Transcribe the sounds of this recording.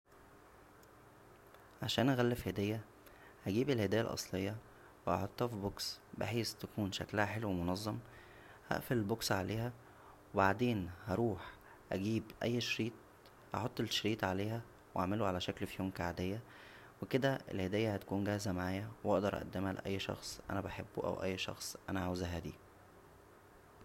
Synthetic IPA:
ʕaʃæːnʔæɣælːefihed̪æːjːæ | hæɡiːbelhed̪æːjæ̰lʔɑ̰sˤlejːɑ | weʔɑ̰ħot̪ˤːhɑfiboksbḛħeːst̪ækuːnʃæ̰klæhæħelːwemonɑzˤːɑm | hæ̰ʔfelelboksʕa̰leːhæ | webaʕd̪eːnhɑɾˤuːħ | ʔæɡiːbʔæ̰jːʃɾiːt̪̚ˤ | hɑ̰ħot̪ˤːelʃɾiːt̪ˤʕaleːhæ | wʔa̰ʕmeluʕalæʃæklfijoːmkaʕad̪ejːæ | weked̪æḛlhed̪æːjːæhæt̪æ̥kuːnɡæhzæmaʕaːjæwʔɑʔd̪ɑɾˤʔæ̰ʔæ̰d̪ːemhælḛʔæ̰jːʃɑ̰xsˤʔæ̰næbaħebːʔæ̰wʔæ̰jːʃɑ̰xsˤʔænæʕawzæɦæːd̪ḭː

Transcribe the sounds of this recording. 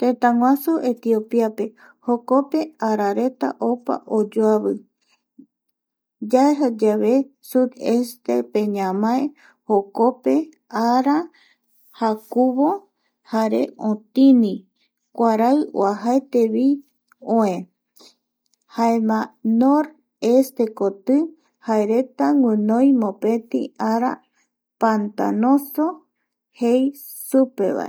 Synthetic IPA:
t̪ẽt̪ãŋwãsuʔet̪iopiape̞ | hoko̞pe̞aɾaɾe̞t̪a̰ʔopa̰ʔod͡ʒoaβɨ | d͡ʒaeɦad͡ʒaβe̞sud̪est̪ḛpẽ̞ɲãmãe | hokope̞ | aɾa | hakuβo | haɾe̞̰õt̪inĩ | kʷaɾaɨo̰aɦaet̪eβi | õẽ | haemãnoɾ | est̪e̞kot̪ɨ | haeɾet̪aŋwɨ̃nõjmõpe̞t̪ḭ̃aɾa̰ | pant̪a̰nõso | hej | supe̞̰βa̰ḛ

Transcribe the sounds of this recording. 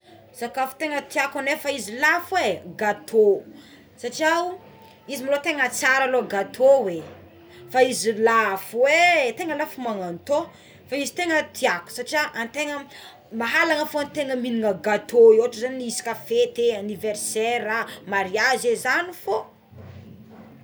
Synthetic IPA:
z̥akafu̥t̪eŋət̪iakanefaizilafuweɡat̪ʰo | saʈ͡ʂiaw | izimilot̪eŋət͡saɾaloɡat̪ʰowe | faizilafuwet̪eŋəlafumaŋant̪o | faizi̥t̪eŋət̪ʰiaku̥saʈ͡ʂiaʔant̪eŋə | maɦalaŋəfoant̪eŋəminiŋəɡat̪ʰoeoaʈ͡ʂəzaninisi̥kafet̪eaniveɾseɾamaɾiazezanifo

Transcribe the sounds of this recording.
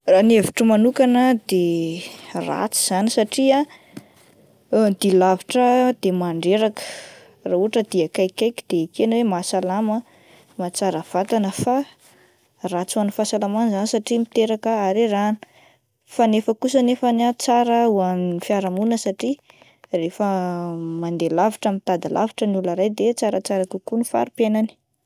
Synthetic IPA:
raneviʈ͡ʂəmanukanəd̪e | ra̰t͡siz̥anisaʈ͡ʂia | d̪ilaviʈ͡ʂəd̪̥emaɳɖ͡ʐeɾakə̥ | rauɦaʈ͡ʂəd̪iakajkajkid̪̥eikeanwemasalamə | mat͡saɾəv̥at̪anəfa | rat͡suanufasalamanizanisaʈ͡ʂimit̪eɾakəaɾirani̥ | fanefəkus̬ənefanat͡saɾəuaminnifjaɾamunəsaʈ͡ʂi | refəmand̪elaviʈ͡ʂəmit̪ad̪ilʔa̰viʈ͡ʂənulaɾajd̪et͡saɾət͡saɾakukunifa̰ɾupjajnani̥

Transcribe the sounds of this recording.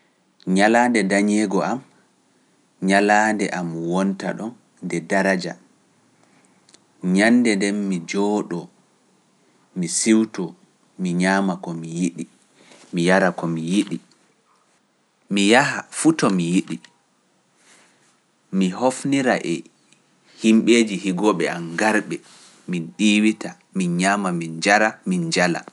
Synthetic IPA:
ɲalaːndɛdaɲɛɡɔʔam | ɲalaːndɛʔamwɔnta̰ɗɔn | dɛdaɾad͡ʒa̰ | ɲandɛndɛmmid͡ʒɔɗɔ | misiwtɔ | miɲaːmakɔmijiɗi | mijaɾakɔmijiɗi | mijaɦafutɔmijiɗi | miɦofniɾaʔɛ | himɓeːd͡ʒihiɡɔɓɛanɡaɾɓɛ | minɗiːwita | minɲaːmamind͡ʒaɾamind͡ʒala̰

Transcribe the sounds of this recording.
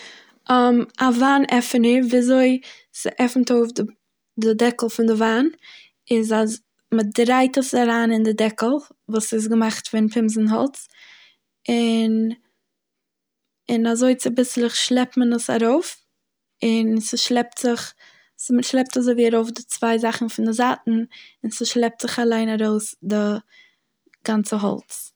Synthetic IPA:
mavaːnɛfənəɾviːazoɪ | sɪʔɛfn̩toʊfdɪ | dɪdɛkl̩ˠfɪndɪvaːn | ɪzaz | mədɾaɪtəsaɾaːnɪndɪdɛkl̩ˠvuːsɪs̬ɡəmaχtfɪnpʰɪmzn̩ɦɔ̰lˠt͡s | ɪn | ɪnazoɪt͡sɪbɪslˠɪχʃlˠɛp̚tmənəsa̰ɾoʊf | ɪnsəʃlˠɛp̚tz̥ɪχ | sməʃlˠɛp̚tazoɪviːaɾoʊfdɪt͡sv̥aɪzaχn̩fɪndɪzatn̩ɪnsəʃlˠɛp̚tz̥ɪχalˠaɪnaɾoʊsdɪ | ɡ̥ant͡səɦɔ̰lˠt͡s

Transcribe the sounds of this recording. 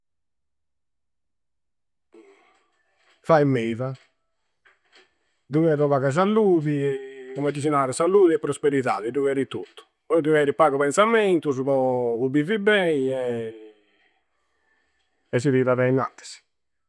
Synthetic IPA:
fajmɛːva | d̪uɣɛɾɔβaɣaz̬alːuðiɛkɔmɛd̪isinaɾɛsalːuːðiɛpːɾospeɾiða̰ːðiduɣɛɾit̪ut̪ːu̥ | pɔjd̪uvɛɾipaːɣɔβɛnsamɛnt̪uzβɔubivibɛiɛ | ɛsiðiːɾaðɛina̰nt̪ɛ̥z̥

